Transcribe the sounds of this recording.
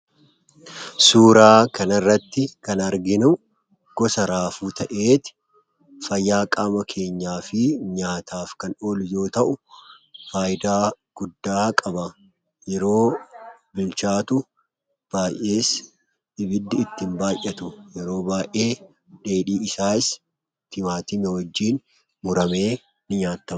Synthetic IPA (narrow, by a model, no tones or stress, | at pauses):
suːɾaːkɐnɐrːɐt̪ːɪkɐnɐɾɡɪnʊ | ɡ̥ɔsɐɾaːfuːt̪ɐʔe̞ːt̪ɪ̥ | fɐjːaːkʼaːmɐkʰe̞ːɲːaːfɪɲaːt̪ʰaːfkɐno̞ːlʊjo̞ːt̪ɐʔʊ | faːjɪd̪aːɡ̥ʊd̪ːaːkʼɐbɐ | jɛɾo̞ːbɪlt͡ʃaːt̪ʊ | b̥aːjʔe̞ːs | ɪbɪd̪ːɪːt̪ːɪmbaːjʔɛt̪ʊjɛɾo̞ːbaːʔe̞ː | ᶑe̞ːᶑiːɪsaːɪs | t̪ɪmaːt̪ɪmɛwɐd͡ʒːiːn | mʊɾɐme̞ː | nɪɲaːt̪ːɐm